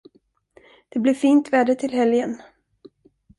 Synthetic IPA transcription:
d̪̥ɛblɪɾfiːnt̪vɛːɖ̪ət̪ʰɪlɦɛljən

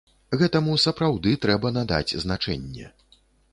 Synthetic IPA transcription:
ɣɛt̪ɐmusɐpɾawd̪ɨt̪ɾɛbɐnad̪a̰d͡zʲznat͡ʂɛ̰nʲːɛ̰

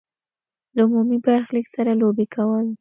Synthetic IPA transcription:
d̪əʊmumibaɾxləɡsaɾalobekawəl

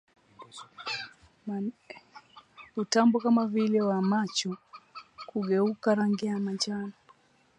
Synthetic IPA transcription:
utambɔkamavilɛwamat͡ʃɔ | kuɡɛukaɾaŋɡɛamad͡ʒana

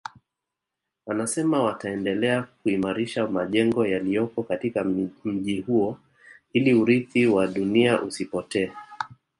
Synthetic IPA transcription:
anasɛmawataɛndɛlɛak̚uimaɾiʃamaʄɛŋɡɔjalijɔkɔkatikam̩ʄihuɔ | iliuɾiθiwaɗuniaʔusipɔtɛː

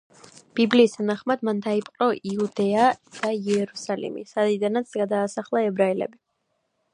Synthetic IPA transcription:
b̥ibliːst̪ʰanaχmad̪mand̪aipʼqʼɔiud̪ɛad̪̥aiɛɾusalḭmḭsad̪id̪anat̪sɡad̪aːsaχlˠaɛbɾailɛ̰bi

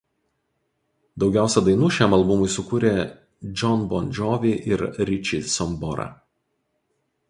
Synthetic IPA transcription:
d̪ɒʊɡʲæˑʊsʲɛd̪ɐɪnuːʃʲæmɐlˠbʊmʊɪsʊkuːɾʲeː | d͡ʒʲɔnbɔnʲd͡ʒʲɔʋʲiʔɪɾɾʲɪt͡ʃʲisɔmbɔɾɐ̰

